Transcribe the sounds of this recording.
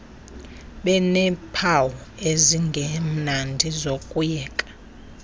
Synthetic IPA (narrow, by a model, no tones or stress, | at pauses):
ɓɛnɛpʰawɔeziŋɡʱem̩nandʱizokʼujɛːkʼḁ